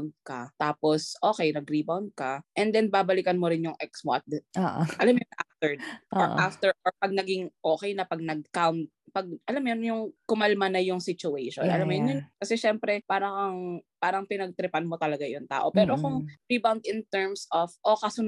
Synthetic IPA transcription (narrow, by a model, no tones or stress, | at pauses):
nd̪̚kɐt̪aːposʔo̞ːkɛjnɐɡɾibawnd̪̚kɐʔɛnd̪ɛnbaːbɐlɪkɐnmoɾɪnjʊŋʔɛksma̰t̪̚d̪oʔʔɐlamjnʔaft̪ɛɹʔʔʔaft̪ɛɹʔɔpɐɡ̚nɐɡɪŋʔo̞ːkɛjnɐpɐɡ̚nɐɡ̚kawnt̪̚pɐɡ̚ʔɐlamjɐnjʊŋkʊmɐlmɐnɐjʊŋsɪt͡ʃʊʔɛjʃo̰nʔɐ̰lamːojnjʊnkɐsɛʃɛmpɾɛpaːɾɐkɐŋpaːɾɐŋpɪnɐɡ̚t̪ɾɪpɐnmot̪ɐlɐɡajʊŋt̪a̰ːʔopɛːɾokʊŋɾibawnd̪ɪnt̪ɛɹmsofʔokɐsʊn